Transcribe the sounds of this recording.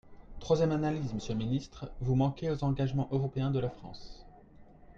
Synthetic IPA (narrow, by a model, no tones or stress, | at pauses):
t̪χwazjɛmanalizməsjəlminist̪χvumɑ̃kʲeozɑ̃ɡaʒmɑ̃ʔøʁɔpeɛ̃d̪əlafχɑ̰̃s